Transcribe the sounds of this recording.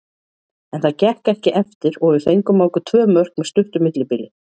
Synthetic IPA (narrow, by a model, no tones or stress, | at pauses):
ɛnθaðcɛhkɛhcɪʔɛft̪ɪɾɔɣʏθejŋkʏmaːwkʏt̪ʰvœːmœr̥kmɛðst̪ʏht̪ʏmɪt̪lɪpiːlɪ